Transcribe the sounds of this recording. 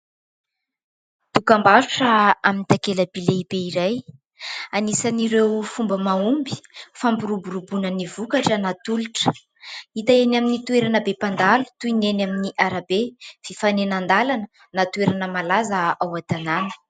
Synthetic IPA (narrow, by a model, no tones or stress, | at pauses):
t̪ukambaɾuʈ͡ʂəamint̪akeləbileib̥eiɾaj | anisaniɾewfumbəmaumbi̥fampiɾubuɾubunənivukaʈ͡ʂənat̪uluʈ͡ʂə̥ | it̪aenaminit̪ueɾanəbepand̪alu̥t̪uinenaminiʔaɾabev̥ifanenand̪alanə | nat̪ueɾanəmalazəawat̪ananə̥